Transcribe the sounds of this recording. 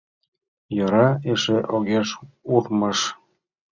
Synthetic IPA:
jɤ̆ɾɑeʃeʔoɣeʃuðmɤ̆ʃ

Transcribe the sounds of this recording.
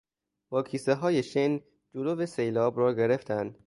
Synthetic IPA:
b̥ɒːkʰiːseɦɒːjeʃen | d͡ʒoloːvesejlɒːbrɒːɡe̞ɾeft̪ʰænd̪̥

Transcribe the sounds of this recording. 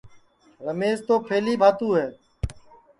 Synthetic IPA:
ɾəmeːzt̪oːpʰeːliːbʱaːt̪uːɦɛː

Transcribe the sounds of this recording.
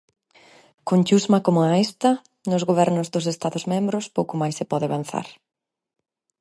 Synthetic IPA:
kont͡ʃuzmakomʊaest̪ɐ | nʊzɣoβ̞ɛɾnʊzðʊsest̪aðʊzmẽmbɾʊspowkʊmajsɪpɔðɪaβan̟θa̰ɾ

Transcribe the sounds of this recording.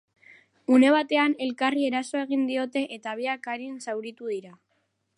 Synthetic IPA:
une̞β̞at̪e̞ane̞lkarie̞ɾasoe̞ɣ̞ind̪io̞t̪e̞ʔet̪aβ̞iakaɾinsawɾit̪uð̞iɾa

